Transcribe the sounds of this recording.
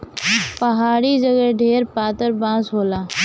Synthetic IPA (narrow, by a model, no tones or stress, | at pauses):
pəɦaːɾid͡ʒəɡəɖʱeːɾpaːt̪əɾbãːsɦoːlaː